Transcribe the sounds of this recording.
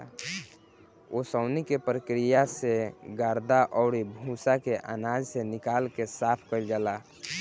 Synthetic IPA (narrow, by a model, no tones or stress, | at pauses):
osəʊnikepɾəkɾijaseɡaɾd̪aʔɔʊɾibʱusakeʔa̰nad͡ʒsenɪkalkesapʰkəɪld͡ʒala